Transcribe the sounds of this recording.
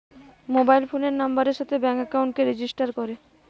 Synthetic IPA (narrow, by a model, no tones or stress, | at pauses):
mobajlfʰoneɾnambaɾeɾʃat̪ʰebɛŋkakawɳʈ̚keɾed͡ʑisʈaɾkoɾe